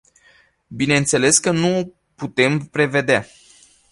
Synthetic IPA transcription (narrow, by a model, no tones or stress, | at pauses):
bine̞ɨnt̪se̞le̞skənuo | put̪e̞mpɾe̞ve̞d̪ea